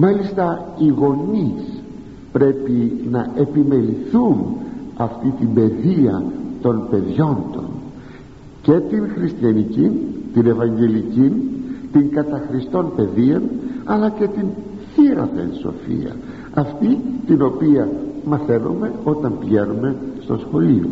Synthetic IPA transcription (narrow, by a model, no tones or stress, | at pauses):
mɐlist̪ɐiɣo̞nis | pɾe̞pinɐe̞pime̞liθunɐft̪it̪imbe̞ðiɐt̪o̞npe̞ðʝo̞nd̪o̞̰n | ce̞t̪inxɾist̪çɐnicint̪ine̞vɐɲɟe̞licint̪iŋkɐt̪ɐxɾist̪o̞npe̞ðiɐnɐlɐce̞t̪in | θiɾɐ̰θḛnso̞̰fḭɐ̰ | ɐft̪it̪ino̞piɐmɐθe̞no̰me̞o̞t̪ɐmpʝenume̞st̪o̞sxo̞lio̰